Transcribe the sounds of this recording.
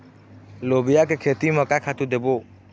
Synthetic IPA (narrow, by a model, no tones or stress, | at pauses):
loːbɪjak̬ekʰeːt̪imə̃kakʰat̪ud̪eːboː